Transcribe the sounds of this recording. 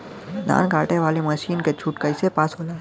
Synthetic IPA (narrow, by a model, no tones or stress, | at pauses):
d̪a̰ːnɡaːʈeʋaːleməʃiːnket͡ʃʰuʈkəɪsepaːsɦoːla